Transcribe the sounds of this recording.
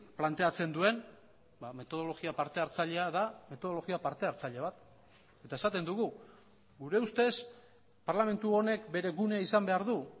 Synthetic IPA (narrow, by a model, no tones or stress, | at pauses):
plant̪e̞at͡se̞nd̪ue̞n | bame̞t̪o̞ð̞o̞lo̞ɣiapaɾt̪e̞aɾt͡saʎe̞aðame̞t̪o̞o̞lo̞ɣiapaɾt̪e̞aɾt͡saʎe̞βat̪ | e̞t̪ae̞sat̪e̞nd̪uɣu | ɡuɾe̞ust̪e̞s | paɾlame̞nt̪uo̞ne̞kbe̞ɾe̞ɣune̞aisambe̞aɾðu